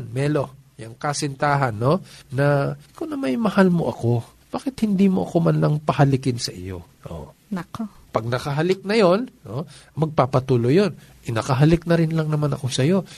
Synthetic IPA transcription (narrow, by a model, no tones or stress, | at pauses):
nmɛːlo̞jɐŋkɐsɪnt̪aːɦɐnːo̞ːɐkonɐmɐjmɐhalmo̞̰ʔɐko̞ | b̥aːkɪt̪hɪnd̪iːmo̞ʔɐko̞mɐnlɐŋpɐhɐlɪkɪnsɐʔɪ̰jo̞̰ | ʔo̰nɐko | pɐɡ̚nɐkɐɦɐlɪk̚nɐjo̞nomɐɡ̚papɐt̪uːlojo̞n | ʔɪnɐkɐɦɐlɪk̚nɐɾɪnlɐŋnɐmanɐ̰ko̞sɐjo̞